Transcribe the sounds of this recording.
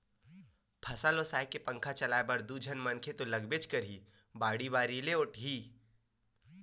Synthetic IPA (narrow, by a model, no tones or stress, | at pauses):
pʰɐsalosaːjkepɐ̃ŋkʰat͡ʃɐlaːebɐɾd̪ud͡ʒʱənmɐnkʰet̪olɐɡbet͡ʃkɐɾi | baːɽibaːɾileʊʈʰɦiː